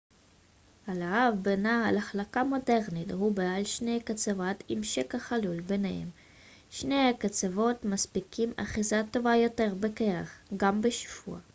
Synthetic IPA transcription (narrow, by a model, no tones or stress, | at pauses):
halaavbenaalaχlakamo̞deʁnit̪hubealʃnejkat͡savatimʃekaχalulbenehḛm | ʃnejhakat͡savo̞tmaspikima̰χizato̞vajo̞teʁbekeʁaχɡambeʃv̥ṵa